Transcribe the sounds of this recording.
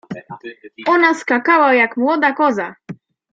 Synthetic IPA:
ɔnaskakawajakmwɔd̪akɔza

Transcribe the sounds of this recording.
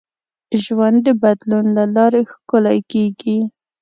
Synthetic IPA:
ʒwand̪ːəbad̪lunlalɑɾexkolɑjkeɡi

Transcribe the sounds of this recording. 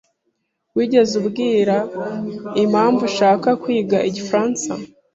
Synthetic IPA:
wiːɟe̞zubɡiːɾa | imhaːɱvuʃaːkakwiːɡaʔiɟifɾaːnsa̰

